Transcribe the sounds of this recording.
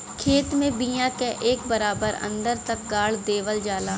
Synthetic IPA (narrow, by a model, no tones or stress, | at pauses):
kʰeːt̪mẽbijãkeʔeːkbəɾaːbəɾə̰̃nd̪əɾt̪ɐk̚ɡaːɽd̪eːʋəld͡ʒaːlaː